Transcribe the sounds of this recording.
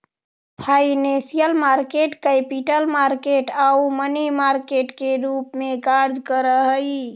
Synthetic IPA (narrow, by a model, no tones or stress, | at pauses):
pʰainẽsijəlmaɾkeʈkepiʈəlmaɾkeʈaumənimaɾkeʈkeɾupmekaɾd͡ʒkəɾəɦəj